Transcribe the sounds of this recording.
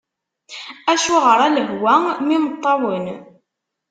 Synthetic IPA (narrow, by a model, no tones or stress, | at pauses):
æʃuʁəɾˤæləɦwæmimət̪ˤːɑwən